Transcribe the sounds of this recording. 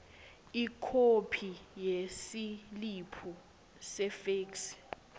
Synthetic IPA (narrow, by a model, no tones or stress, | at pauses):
ikʰopʰijesilipʰu | sɛfeːks